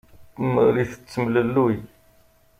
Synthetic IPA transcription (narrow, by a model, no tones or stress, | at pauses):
mɾiθə̥t͡sːəmləlːuj